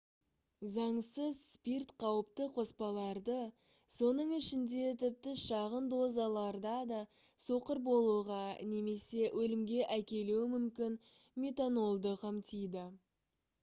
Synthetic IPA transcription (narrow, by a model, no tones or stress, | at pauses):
zɑɴsəzspirt̪qʰɑwəpt̪əqʰo̞spɑlˠɑɾd̪ə | so̞nəɴɪʃɪnd̪e̞t̪ʰɪp̚t̪ɪʃɑʁənd̪o̞zalˠɑɾd̪ɑd̪ɑ | so̞qəɾbo̞lˠuʁɑne̞me̞se̞wʔɵlɪmɡʲe̞ʔækʲe̞luwɪmʏmkʲɪn | mʲe̞t̪ano̞lˠd̪əqʰɑmt̪ijd̪ɪ